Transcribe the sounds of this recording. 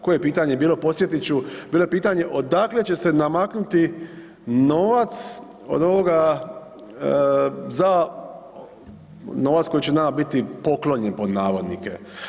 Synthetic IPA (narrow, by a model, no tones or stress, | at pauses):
ko̞jeepiːt̪aɲebiːlˠo̞po̞sje̞t̪it͡ɕubiːloepiːt̪aɲe̞ʔo̞d̪akle̞t͡ɕe̞se̞namaknut̪i | noːʋat̪s | o̰d̪o̞ʋo̞ɡa | za | no̞ːʋat̪ko̞jit͡ɕe̞namabit̪ipo̞klo̞ɲenpo̞d̪naːʋo̞d̪nikḛ